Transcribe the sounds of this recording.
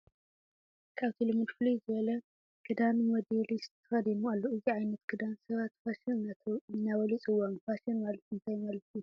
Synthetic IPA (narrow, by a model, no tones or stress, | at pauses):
kʰaβt̪ʰilɨmud̪flizɨβɐlɐ | ɡ̥ɨd̪anwɔd̪iɾist̪ʰːɨxɐd̪inualːoɨziʕajnɐt̪ɡɨd̪ansɐβat̪fasinat̪ʰonːawɐlit͡sʼɨwːanfasinmalɐt̪ɨnt̪ʰajmɐlt̪i